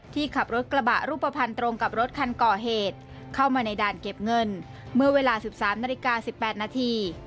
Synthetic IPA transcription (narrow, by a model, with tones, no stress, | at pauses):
t̪ʰiː˥˩kʰa˨˩p̚ɾo˦˥t̪̚kɾa˧ba˨˩ʔɾuː˥˩pːa˧pʰa˧nt̪ɾo˧ŋka˨˩p̚ɾo˦˥t̪̚kʰa˧nkɔː˨˩ɦeː˨˩t̪̚ | kʰa˥˩wmaː˧na˧jdaː˨˩nke˨˩p̚ŋɤ˧n | mɯ˥˩əweː˧laː˧si˨˩p̚saː˩˦mnaː˧li˦˥kaː˧si˨˩pːɛː˨˩t̪̚naː˧t̪ʰiː˧